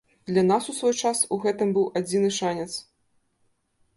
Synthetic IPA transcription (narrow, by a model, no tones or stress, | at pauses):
d̪lʲanasusvɔjt͡ʂasuɣɛt̪ɨmbɨwʔad͡zʲinɨʂanʲɛt̪s